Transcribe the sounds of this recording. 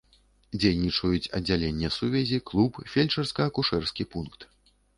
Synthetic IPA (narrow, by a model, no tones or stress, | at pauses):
d͡zʲejnʲit͡ʂɐjut͡sʲɐ̰d͡zʲːalʲenʲːɛsuvʲɛzʲiklˠupfʲelʲt͡ʂɐrskɐɐkuʂɛrskʲipunkt̪